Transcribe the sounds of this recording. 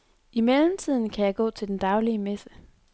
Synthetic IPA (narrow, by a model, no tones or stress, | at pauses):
imelm̩t͡sʰið̞̰ˠn̩kʰæjɑ̈ɪɡ̥ɔ̰ːt͡sʰe̝ld̥end̥ɑ̈ʊliəmesə